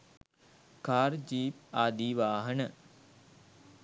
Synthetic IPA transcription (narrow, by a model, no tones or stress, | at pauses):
kaːɾd͡ʒiːp̚aːd̪iːʋaːɦənə